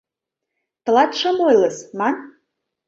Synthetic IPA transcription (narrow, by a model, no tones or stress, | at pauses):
t̪ɤ̆lɑt̪ʃɤmojləsmɑn